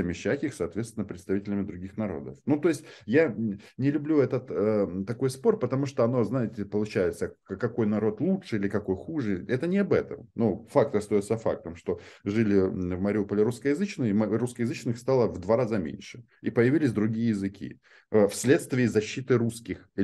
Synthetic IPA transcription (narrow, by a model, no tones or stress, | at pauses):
mʲɪɕːakʲɪxsɐːt̪vʲet̪st̪vɪnəpɾʲɪt̪st̪ɐvʲitʲɪlʲɪmʲɪd̪ɾʊɡʲixnɐɾo̞̰d̪əfnut̪o̞ɪsʲtʲjanʲɪlʲʊblʲuɛt̪ət̪ət̪ɐko̞jspo̞rpət̪ɐmuʂt̪oɐno̞znajɪtʲɪpəlˠʊt͡ɕæjɪt̪səkːɐko̞jnɐɾo̞t̪lˠutʂɨilʲɪkɐko̞jxuʐɨʔɛt̪ənʲɪɐbɛt̪əmnufakt̪əst̪ɐjot̪səfa̰k̚t̪əmʂt̪o̞ʐɨlʲɪvmɐɾʲɪupəlʲɪɾuskəjɪzɨt͡ɕnɨjəmruskəjɪzɨt͡ɕnɨxst̪alˠəvd̪vaɾazamʲḛnʲʂɨ̥ | ipəjɪvʲilʲɪsʲd̪ɾʊɡʲijəjɪzɨkʲʰḭ | əfsʲlʲe̞t̪st̪vʲɪːzɐɕːit̪ɨɾuskʲɪx